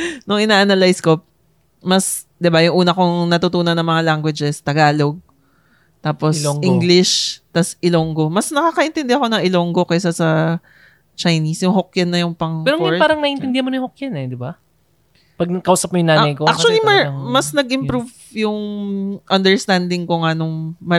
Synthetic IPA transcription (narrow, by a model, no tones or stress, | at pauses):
nʊŋʔɪnaːʔanalajsko̞ | mɐs | d̪ɪbajʊŋʔuːnɐkʊŋnɐt̪ʊt̪uːnɐnːɐŋmɐŋalaŋɡwɪd͡ʒɛst̪ɐɡaːlo̞ɡ̚ | t̪aːposʔiŋɡlɪʃt̪ɐsʔɪloŋɡo̞mɐsnɐkaːkɐʔɪnt̪ɛnd̪ɛhɐko̞nɐŋʔɪloŋɡo̞kɛsasɐ | t͡ʃɐjnisjʊŋɦokjɐnːɐjʊŋpɐŋpɛːɾoŋɹpaːɾɐŋnɐʔɪnt̪ɪnd̪ɪhanmonɐjʊ̃ŋhokjɐnɛd̪ɪba | pɐɡ̚kɐʔuːsɐp̚mojʊŋnaːnɐjkoak̚t͡ʃʊɐlimɐmɐsnɐɡʔɪmpɾuv | jʊŋʔɐnd̪ɛɹst̪and̪ɪŋkoŋɐnoŋmɐ